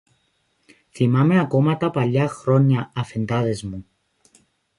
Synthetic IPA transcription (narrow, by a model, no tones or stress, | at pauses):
θimɐme̞ɐko̞mɐt̪ɐpɐʎːɐxɾoɲːɐːfe̞nd̪ɐðe̞zmu